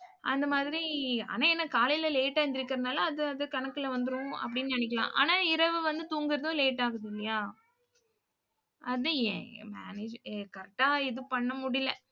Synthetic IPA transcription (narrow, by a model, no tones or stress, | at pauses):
ʔɐ̰nd̪ɐmaːðɪɾia̰ːnaːɛnːɐkaːlɪjlɐleːʈːaːnd̪ɪɾɯkːɪɾɐnaːlɐɐðɯɐðɯkɐɳɐkːɪlɐʋɐnd̪ɯɾʊ̃ɐ̰p̬ːɐɽɪnːnɐɳɪk̬ːɐlã̰ːʔa̰ːnaːɪɾɐʋɯʋɐnd̪ɯt̪uːŋɡɪɾɐðʊ̃leːʈːaːɣɯðɪlːɪjaː | ʔɐðɯɛ̰̃ma̰ːneːd͡ʒkɐɾʈːaːɛðɯpɐɳːɐmʊɽɪlɐ